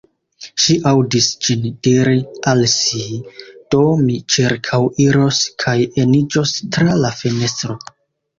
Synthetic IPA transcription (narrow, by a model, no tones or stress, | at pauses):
ʃiʔawdisd͡ʒind̥iɾialsid̥o̞mit͡ʃiɾkʰawiɾoskʰajenid͡ʒostɾalafene̞stɾo